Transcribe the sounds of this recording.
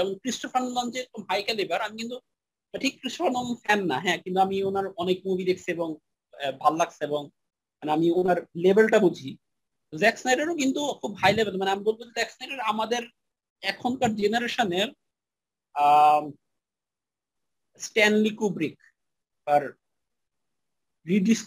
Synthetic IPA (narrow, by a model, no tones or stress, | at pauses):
d͡ʑɛmonkɾisʈofaɾnlɔnd͡ʑeɾok̚omɦajkalebaɾamikint̪u | aʈʰikkɾisʈofaɾnamnfɛnːaɦɛ̃kint̪uamionaɾɔnek̚mubʱid̪ekʰt͡ɕʰieboŋ | bʱalolaɡ̚t͡ɕʰieboŋ | maneamionaɾlebelʈabud͡ʑʱi | t̪ozɛksnajɖaɾokint̪ukʰubɦajlebeɾmaneamibolbod͡ʑezɛksnajɖaɾamad̪eɾ | ɛkʰont̪aɾd͡ʑenaɾeʃoneɾ | sʈɛnlikubɾik | paɾ | ɾiɖis